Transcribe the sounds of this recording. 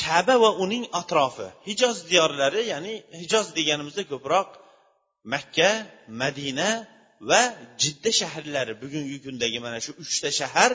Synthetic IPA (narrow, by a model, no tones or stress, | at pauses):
t̪ʰabavaʊnɪŋat̪ɾɒfɪ̰hɪd͡ʒɒzd̪ijɒɾlaɾɪjaːnɪhɪd͡ʒɒzd̪e̞ɡʲanɪmɪzd̪akʲʰɵpɾɒq̚ | makʲʰːamad̪ina | vad͡ʒɪd̪ːiʃaɦɾlaɾɪbʊɡʲʊŋɡʲɪkʲʰʊnd̪aɡʲɪmanaʃʊʊt͡ʃt̪ʰaʃaɦaɾ